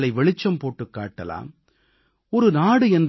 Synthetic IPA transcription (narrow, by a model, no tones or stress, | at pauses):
ɭɐɪʋɛɭɪt͡ʃːɐmpoːʈːɯkːa̰ːʈːɐ̰la̰ːm | ɔɾɯnaːɽɯɛnd